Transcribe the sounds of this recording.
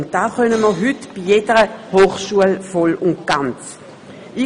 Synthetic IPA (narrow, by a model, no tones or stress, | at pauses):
ʊnt̚d̥aːχœnəməɦʏtb̥ijedəʁəhoːχʃuəlfɔlʊntɡ̥ant͡s | i